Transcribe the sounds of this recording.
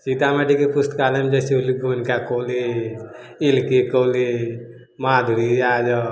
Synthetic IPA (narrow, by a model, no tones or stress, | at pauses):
t͡ʃit̪amaʈikepust̪kalemd͡ʒesiuliɡonkakoli | ilkekoːli | mad̪ʱuɾiad͡ʒɔ